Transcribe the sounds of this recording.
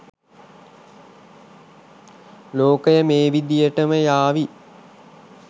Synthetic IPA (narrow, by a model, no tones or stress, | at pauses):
loːkəjəmeːʋid̪ijəʈəməjaːʋi